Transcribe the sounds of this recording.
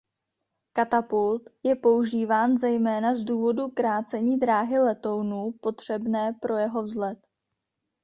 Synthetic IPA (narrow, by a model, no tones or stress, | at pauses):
kat̪apult̪jɛpo̞uʒiːvaːnzɛjmɛːnazduːvo̞dukɾaːt͡sɛɲiːd̪ɾaːɦɪlɛt̪o̞wnuːpo̞t̪r̝̥ɛbnɛːpɾo̞jɛɦo̞vzlɛt̪